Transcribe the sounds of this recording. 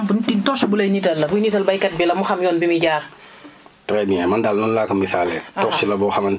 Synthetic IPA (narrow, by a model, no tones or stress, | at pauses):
mbntitɔsibulɐjnitɐlːɐbujnitɐlbɐjkɐt̚bilɐmuxɐmjɔːnbimiɟaːɾ | tɾɛmiɛmɐndalnunlaːkɐmːisaːlɛ̰tɔsilɐbɔxɐmɐn